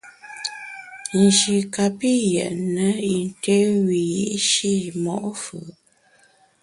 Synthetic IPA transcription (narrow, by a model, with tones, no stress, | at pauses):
n̩˨d͡ʒi˨ka˨pi˦˨jɛ̰˨ʔnə˨˦i˨n˨te˦wi˨ji˦ʔʃi˦˨mɔ̰˨ʔfɯ˨